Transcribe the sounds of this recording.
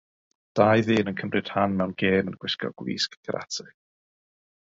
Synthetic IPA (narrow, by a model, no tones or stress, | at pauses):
d̥ajðɨːnənkʰəmrɨd̥hanmɛwnɡeːmənɡ̥wɪskɔ̰ɡ̥wḭːskɡʰəɾʔa̰tʰɨ